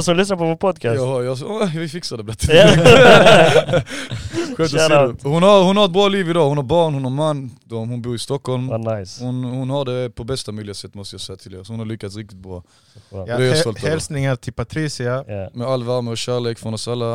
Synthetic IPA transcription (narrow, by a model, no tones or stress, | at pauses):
sɔmlʏsnaɾpʰɔvoːɾpʰɔd̪kʰasjɑɑjɑɔvɪfɪksad̪ɛblat̪ʰːɪ | ɧøːt̪ɔshʊnhaɾhʊnhaɾɛt̪̚bɾɑːliːvɪd̪ɑːhʊnhaɾbɑːɳhʊnhaɾmanːd̪ɔhʊnbuːɾɪst̪ɔkhɔlmnaɪshʊnhʊnhaɖɛpʰɔbɛst̪amœʏlɪɡsɛt̪ːmɔst̪əjɑːsɛɪjat̪ʰɪlːsɔhʊnhalʏkːat̪sɾɪk̚t̪ɪ̥t̪̚bɾɑː | d̪ɛjsɔlthɛlsnɪŋaɾt̪ʰɪlpʰat̪ʰɾiːsɪamɛalːvæɾməɔɕæːɾɭeːkfɾɔnɔsalːa